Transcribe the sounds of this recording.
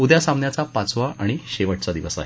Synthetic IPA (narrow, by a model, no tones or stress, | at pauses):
ud̪jasamnjat͡sapat͡sʋaʔʔaɽ̃iɕeʋəʈt͡sad̪iʋəsa̰ɦe